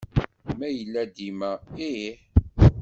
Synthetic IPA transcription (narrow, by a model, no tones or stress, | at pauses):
mæjəlːæd̪imæiħ